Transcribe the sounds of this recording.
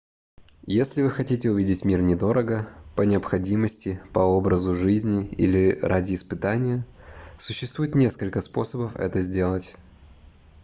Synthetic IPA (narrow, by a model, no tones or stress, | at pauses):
jesʲlʲɪvɨxɐtʲitʲɪʊvʲidʲɪtʲmʲirnʲɪd̪o̞ɾəɡəpənʲɪəpxɐdʲiməsʲtʲɪpɐo̞bɾəzʊʐɨzʲnʲɪḭlʲɪrʔadʲɪːspɨt̪anʲɪjə | sʊɕːɪst̪vujɪt̪nʲe̞skəlʲkəspo̞̰səbəfɛ̰t̪əzʲdʲe̞lˠətʲ